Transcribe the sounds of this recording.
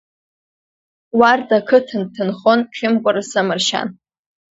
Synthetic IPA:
wardakʰɨtʰɨntʰɨnχonʈ͡ʂʲɪmkʷʼʊɾasamɨrʃa̰n

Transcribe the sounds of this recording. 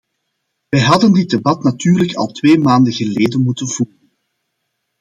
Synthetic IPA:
ʋɛjɦɑdəndɪd̚debɑtnatyːrləkɑ̰lˠtweːmaːndəɣəleːdənmutənvuːrən

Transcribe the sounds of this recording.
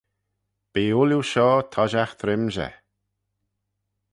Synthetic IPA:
b̥iːʊljuʃɔːt̪ʰɔʒaxt̪ʰɾɪmʒɛ̰

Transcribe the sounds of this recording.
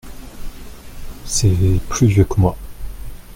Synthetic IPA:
sɛplyvjœkəmwa

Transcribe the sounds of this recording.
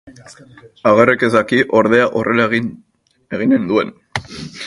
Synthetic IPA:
aɣ̞ereke̞zd̪akiʔo̞ɾð̞e̞aʔo̞re̞la | e̞ɣ̞ine̞nd̪ue̞n

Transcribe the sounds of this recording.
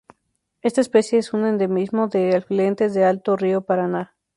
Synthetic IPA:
e̞st̪aespe̞sjeesunend̪emizmo̞ðe̞alfile̞nt̪e̞zðe̞alt̪oriopaɾana

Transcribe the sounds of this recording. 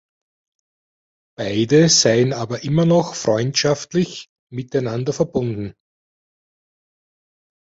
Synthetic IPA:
b̥aɪdəzaɪənaːbɐʔɪmɐnɔxfʁ̥ɔʏntʃaftlɪç | mɪtæɪnandɐfɛɐbʊndn̩

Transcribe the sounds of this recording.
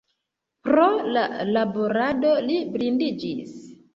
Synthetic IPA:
pɾolalaboɾadolibɾindid͡ʒis

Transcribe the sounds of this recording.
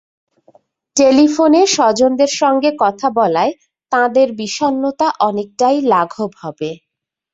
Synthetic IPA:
ʈelifoneʃɔd͡ʑond̪eɾʃɔŋɡekɔt̪ʰabɔlae | t̪ãd̪eɾbiʃonːot̪aʔɔnek̚ʈajlaɡʱobhɔbe

